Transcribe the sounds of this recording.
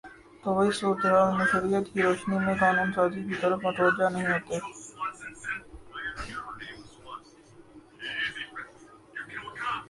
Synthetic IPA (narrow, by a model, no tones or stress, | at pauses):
t̪oʋɐɦisoːɾd̪eɦaːlmeʃəɾijət̪kiɾoːʃnimẽkaːnuːnsaːd͡ʒikit̪ɔɾəfmɐʈʰʋəɾd͡ʒanɐɦĩɦoːt̪e